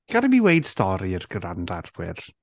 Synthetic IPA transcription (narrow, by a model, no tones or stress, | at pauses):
ɡ̥aɾɪmiwejd̥stɔɾiərɡ̥əɾandarwɪ̰r